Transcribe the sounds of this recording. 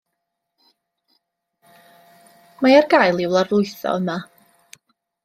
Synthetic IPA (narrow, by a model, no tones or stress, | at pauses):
majarɡajlˠɪwlˠarʊɨθɔ̰əma